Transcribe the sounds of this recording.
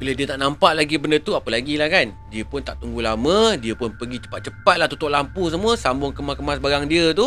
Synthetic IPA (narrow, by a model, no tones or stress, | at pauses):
kələdiət̪aʔnampaʔlaɡibəndət̪uapəlaɡilahkan | diəpʊnt̪aʔt̪uŋɡulamə̃diəpʊnpəɡit͡ʃə̥pat̪̚t͡ʃəpat̪̚laht̪ut̪ʊʔlampus̬əmũəsambʊŋkəmakəmasbaɡaŋdiət̪u